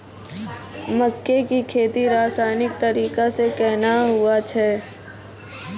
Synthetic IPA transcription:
məkːekikʰeːt̪iɾaːsaːnɪk̚t̪ɐɾiːkasekɛɦnaɦʊat͡ʃʰɛː

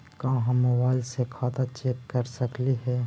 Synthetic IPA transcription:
kãːɦãmobaːɪlsekʰaːt̪at͡ʃeːp̚kɐɾsɐkliɦɛː

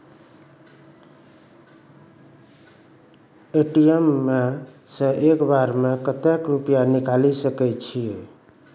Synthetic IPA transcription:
eʈijemːe | sə̃ʔekbaɾmekət̪ekɾupjanikalisəkɛt͡ʃʰi

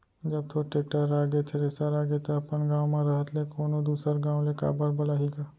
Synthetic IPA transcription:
d͡ʒɐb̚t̪ʰoʈeːk̚ʈəɾaːɡet̪ʰeɾesaɾaːɡet̪oɐpənɡãːʋwmẽɾɐɦət̪lekoːnod̪uːsəɾɡãːʋ̃leka̰ːbəɾbɐlaːɦiɡaː

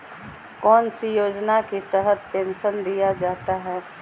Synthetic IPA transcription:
kɔːnsijoːd͡ʒnakit̪əɦət̪̚pẽːnʃənd̪ijad͡ʒaːt̪aɦɛː

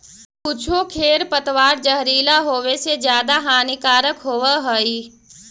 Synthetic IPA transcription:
pʊt͡ʃʰokʰeːɾpət̪ʋaːɾd͡ʒəɦɾiːlaɦoːʋesed͡ʒjaːd̪aɦaːnɪkaːɾəkɦoːʋəɦəi

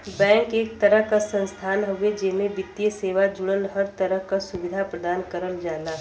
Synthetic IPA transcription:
bɛ̃ːŋkeːk̚t̪ɐɾəɦkasə̃nst̪ʰaːnɦoʋed͡ʒɪmẽbɪt̪ːijəseːʋad͡ʒʊɽəlɦɐɾt̪əɾəɦkasʊʋɪd̪ʱapɾəd̪aːnkəɾənd͡ʒaːlaː

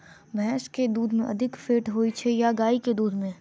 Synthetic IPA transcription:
bɛːʃked̪uːd̪mẽʔɐd̪ʱɪkfeːʈɦoːit͡ʃʰejaɡaːiked̪uːd̪mẽ

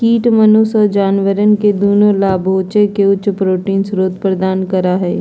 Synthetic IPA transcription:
kiːʈmənʊsɔːɾd͡ʒaːnʋəɾənked̪oːnõlaːbʱoːt͡ʃekeʊtːʃpɾoːʈiːnsɾoːt̪pɾəd̪aːnkəɾaɦɛː

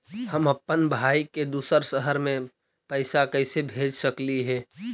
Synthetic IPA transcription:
həməpːənbʱaːiked̪uːsəɾsəɦəɾmẽ | pəɪsakəɪsebʱeːd͡ʒsəkliɦɛː

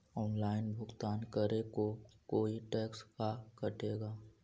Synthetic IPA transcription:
ɔːnlaːɪnbʱʊkt̪aːnkəɾekokoːiʈeːkskakəʈeːɡaː

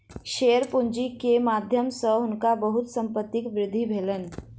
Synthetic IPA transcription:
ʃeːəɾpund͡ʒikemad̪ʱjəmsəʊnkabəɦʊt̪sə̃mpət̪ːɪkʋɾɪd̪ʱːibʱeːlən

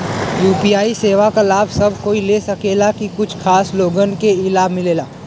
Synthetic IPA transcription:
juːpijaːiseːʋakalaːbʱsɐbʱkoːileːsɐkeːlakikʊt͡ʃʰkʰaːsloːɡənkeɪlaːbʱmɪleːlaː

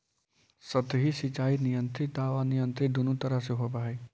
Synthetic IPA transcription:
sət̪ɦisɪt͡ʃaːinɪjə̃nt̪ɾɪt̪aːʋanɪjə̃nt̪ɾɪd̪ʊnut̪ɐɾəɦseɦopaːɦeː

